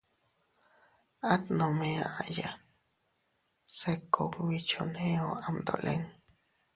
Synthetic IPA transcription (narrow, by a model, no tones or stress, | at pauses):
at̪nomeaʔaja | sekːokwit͡ʃʰonẽoamd̪o̰lʔḛŋ